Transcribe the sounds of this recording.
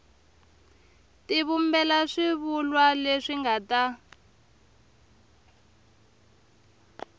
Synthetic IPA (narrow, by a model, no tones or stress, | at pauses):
tiβumbɛlaʂiβulwaleʂiŋɡata